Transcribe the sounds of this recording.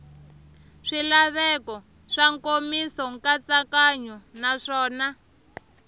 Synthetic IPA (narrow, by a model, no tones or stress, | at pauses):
ʂilaβɛkɔ | ʂaŋkomisɔŋkat͡sakaɲunaʂɔːna